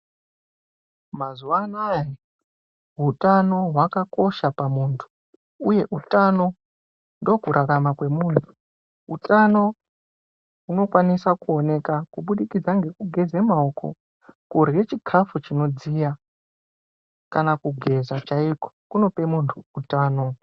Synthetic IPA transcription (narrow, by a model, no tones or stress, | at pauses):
mazuwanaja | ɦutʼano̞ɦwakako̞ʃapamuːntʰu̥ | uje̞ʔutʼano̞ | ndo̞kuɾaramakwe̞muntʰu̥ | utʼano̞ | ɦuno̞kwanisakuo̞ne̞kakuɓuɗikid͡zaŋɡe̞kuɡʱe̞zemaoko̞̰ | kurɣe̞t͡ʃikʰafut͡ʃino̞d͡zija | kanakuɡʱe̞zat͡ʃaiko̥kuno̞pe̞muntʰuːtaːno̞